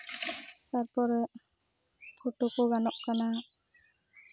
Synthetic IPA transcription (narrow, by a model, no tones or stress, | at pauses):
taɹpɔɾɛ | pʰuʈokɔɡanɔʔkana